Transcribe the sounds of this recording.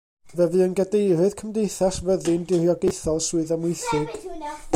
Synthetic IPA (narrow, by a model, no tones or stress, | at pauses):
vɛvɨənɡadejrɨð̥kʰəmdejθasvəðɨndɪrjɔɡejθɔlˠsuɨðəmwɪjθɨɡ̥